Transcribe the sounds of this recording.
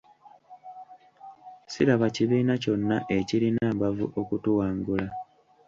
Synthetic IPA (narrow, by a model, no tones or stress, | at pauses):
siɾaβaciβiːnaco̞nːaʔe̞ciɾinaːmbavṵʔo̞kutuwaːŋɡula